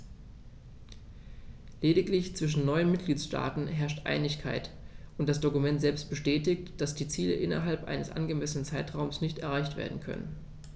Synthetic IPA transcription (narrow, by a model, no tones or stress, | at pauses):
leːdɪklɪçt͡sv̥ɪʃ̬n̩nɔʏənmɪt̚ɡ̥liːtsʃta̰ːtn̩ɦɛɐʃtʔa̰ɪnɪçkʰa̰ɪtʔʊntd̥asd̥okumɛntz̥ɛlpst̚b̥əʃtɛːtɪçtd̥asd̥iːt͡siːlə̰ʔɪnɐ̰ɦalpʔa̰ɪnəsʔa̰nɡəmɛsənənt͡saɪtʁ̥aʊmsnɪçtɛ̰ɐʁaɪçtv̥ḛːɐdn̩kʰœ̰nə̰n